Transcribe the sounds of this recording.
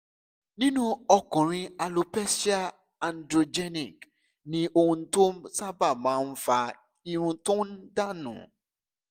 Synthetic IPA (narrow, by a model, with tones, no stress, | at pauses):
nĩ˦nũ˦ɔ˧kɔ̃˨ɾ̃ĩ˧a˧lo˧pɛ˦si˦a˦ | a˨n˦dɾo˧d͡ʒɛ˦ni˨k | nĩ˦ʔo˧ũ˧˦to˦sa˦ba˦˨mãː˨˦n̩˦fa˧ | i˧ɾ̃ũ˧to˦n̩˦da˦˨nṵ̃˨